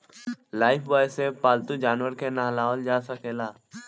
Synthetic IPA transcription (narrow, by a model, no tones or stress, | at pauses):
laːɪfʋaːseːpaːlt̪ud͡ʒaːnʋəɾkʰeːnaːlaːld͡ʒaːsəkʰeːlaː